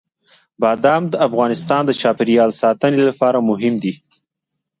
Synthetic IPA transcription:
bɑd̪amd̪əafɣɑnɪst̪ɑnd̪ət͡ʃɑpɪɾjɑlsɑt̪ənelapɑɾamʊɦɪmd̪i

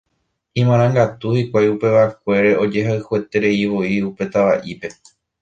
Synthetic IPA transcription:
ĩmãɾ̃ãŋɡat̪uhikʷajupe̞ʋak̚ʷe̞ɾeʔo̞d͡ʒe̞ɦaɨhuet̪e̞ɾe̞iʋo̞iupe̞t̪aʋaʔipe̞

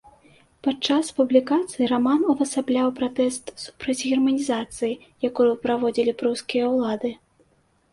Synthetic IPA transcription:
pat͡ʂaspublʲikat̪sɨjiramanuvɐsablʲawpɾat̪ɛst̪su̥pɾɐt͡sʲɣʲɛrmɐnʲizat̪sɨji | jakujupɾavɔd͡zʲilʲipɾuskʲijɐwlˠad̪ɨ

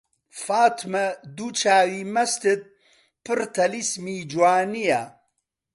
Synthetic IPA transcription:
faːt̪ʰmɐd̪ut͡ʃʰaːwiːmɐst̪ɨd̪̚ | pʰɨɾt̪ʰɐlismiːd͡ʒwaːnija

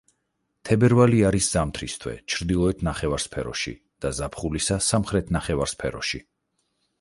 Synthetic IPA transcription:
t̪ʰɛbɛɾvaliaɾisz̥amt̪ʰɾist̪ʰwɛ̰t͡ʃʰɾd̪ilˠɔɛt̪ʰnaχɛvaɾspʰɛ̰ɾɔ̰ʃḭ | d̪̥azapʰχulisasamχɾɛt̪ʰnaχɛvaɾspʰɛɾɔʃi

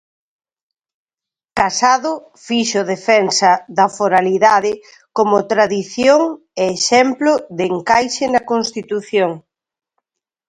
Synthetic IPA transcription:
kasaðʊ | fiʃoðefɛnsɐðɐfoɾaliðaðɪ | komʊt̪ɾaðiθjoŋ | eːʃɛmplʊðeŋkajʃɪnɐkonst̪it̪uθjoŋ

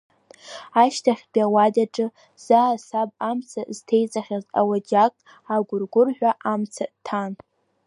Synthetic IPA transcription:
aʃtʰaχʲbʼiawadaʈ͡ʂʼɨ | z̥aːsabʼamt͡sʰaztʰe̞jt͡sʼaχʲaza̰wad͡ʒakʼ | aɡʷʊrɡʷʊrħᶣʷaʔamt͡sʰatʰan

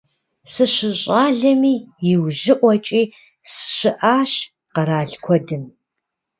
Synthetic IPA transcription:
sɨɕɨɕʼaːɮɐmiːjɪwʑɪʔʷɔt͡ʃʼiː | sɨ̥ɕɨʔaːɕ | qɐɾaːɮkʷʰɔdɨm

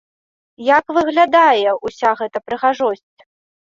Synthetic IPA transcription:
jakvɨɣlʲad̪ajɛʔusʲaɣɛt̪ɐpɾɨɣaʐɔsʲt͡sʲ

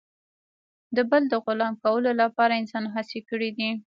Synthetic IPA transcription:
d̪əbəld̪əɣʊlɑmkawəlolapɑɾaɪnsɑnɦasekəɽid̪i

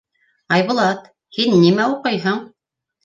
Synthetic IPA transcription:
ɑjβʊ̆lˠɑt̪ | hinːimæuqɤjɦɤɴ

